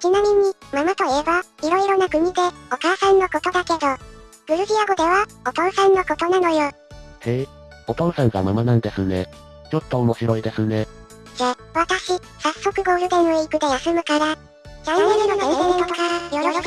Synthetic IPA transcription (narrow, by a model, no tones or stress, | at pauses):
t͡ɕinamʲiɲ̟imamat̪o̞eːbaiɾo̞iɾo̞nakɯ̟ɲ̟id̪e̞o̞kaːsãnːoko̞t̪od̪ake̞d̪o | ɡ̥ɯ̟ɾɯ̟ʑiaɡo̞d̪e̞βaot̪õɰ̃sãnːoko̞t̪o̞nano̞joː | he | ot̪õsãŋɡa̰mamanãnd̪e̞sɨne̞̰ | t͡ɕo̞t̪ːo̞ːmo̞ɕiɾo̞id̪e̞sɨne̞ | za | βat̪aɕi | sasːo̞kɯ̟ɡo̞ːɾɯ̟d̪enoeikɯ̟d̪ejasɨmɯ̟kaɾa | d͡ʑaŋenonẽẽk̪ot̪okaɾajoɾoɾ